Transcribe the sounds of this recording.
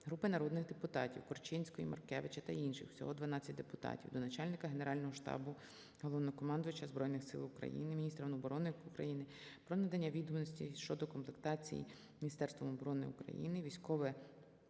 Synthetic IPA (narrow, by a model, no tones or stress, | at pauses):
ɦɾupɪnɐɾɔd̪nɪxd̪epʊt̪ɑtʲiwkɔrt͡ʃɪnʲsʲkɔjḭmɐ̰rkɛ̰ʋɪt͡ʃɐt̪ɐinʃɪ̰xw̥sʲɔ̰ɦɔd̪ʋɐnɑt͡sʲːɐtʲd̪epʊt̪ɑ̰tʲiwd̪ɔnɐt͡ʃɑlʲnɪkɐɦene̞ɾɑlʲnɔɦɔʃt̪ɑ̰bʊ | ɦɔlˠɔʋnɔkɔmɑnd̪ʊʋɐt͡ʃɐzbɾɔjnɪxsɪ̰lˠʊkɾɐ̰jḭnɪmʲinʲist̪ɾɐnɔbɔɾɔnɪukɾɐ̰jinɪ | pɾɔnɐd̪ɐnʲːɐʋʲid̪ɔmnɔsʲtʲḭʃt͡ʃɔd̪ɔkɔmplˠekt̪ɑt͡sʲḭjḭ | mʲinʲist̪ɛrst̪ʋɔmɔbɔɾɔnɪṵkɾɐ̰jḭnɪʋʲijsʲkɔʋɛ